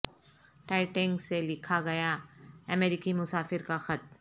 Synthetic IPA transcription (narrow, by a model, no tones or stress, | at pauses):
ʈaːɪʈɛ̃ŋɡselɪkʰaɡɐjaɐmɛːɾɪkimʊsaːfɪɾkaxɐt̪̚